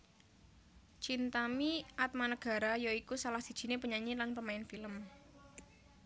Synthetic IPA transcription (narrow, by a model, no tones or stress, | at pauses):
t͡ʃint̪amiʔat̪̚manəɡ̥a̤ɾajoikusalahsid̥ʒ̥i̤nepəɲaɲilanpəmaɪnfiləm